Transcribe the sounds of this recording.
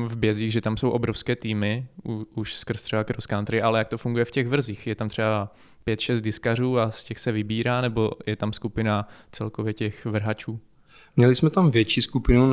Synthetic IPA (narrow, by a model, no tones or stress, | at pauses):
vbjɛziːɣʒɛt̪amsowʔobɾofskɛːt̪iːmɪuuʃskr̩st̪r̥ɛbakɾoskant̪ɾɪʔalɛjak̚t̪o̞fuŋɡujɛfcɛɣvr̩zixjɛt̪amt̪r̝̥ɛba | pjɛt̪ʃɛst̪̚dɪskar̝uːascɛxsɛvɪbiːɾaːnɛbo̞jɛt̪amskupɪnat͡sɛlkovjɛcɛxvr̩ɦat͡ʃuː | mɲɛlɪsmɛt̪amvjɛt͡ʃiskupɪnu